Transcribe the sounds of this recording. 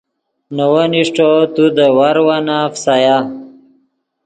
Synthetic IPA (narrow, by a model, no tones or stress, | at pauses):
nowaniʂʈot̪ud̪əwaɾwanafsaja